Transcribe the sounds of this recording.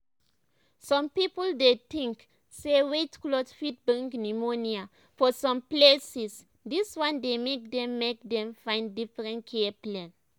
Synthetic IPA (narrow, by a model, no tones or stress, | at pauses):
sɔ̃mpipəldetĩŋk | sewetklɔdfit̚bãŋknimonia | fɔsɔ̃mplesis | diswãndemek̚dɛ̃mːek̚dɛ̃mfãɪ̃ndifɹɛ̃ntkʰɛplɛ̃n